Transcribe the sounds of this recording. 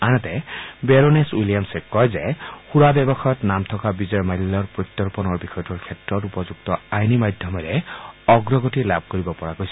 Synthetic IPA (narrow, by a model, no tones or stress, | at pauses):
anɔtɛbeɹoneswilijamsekɔjzɛxuɹabɛbɔxajɔtnamt̪ʰɔkabizɔɹmallːɔɹpɹɔt̪ːɔɹpɔnɔɹbixʰɔjɔtuɹkʰɛtɹɔtupɔzuɡ̚tɔajnimadʱjɔmɔɾɛɔɡɹɔɡɔtilab̚ʱkoɹibɔpɔɹakojsɔ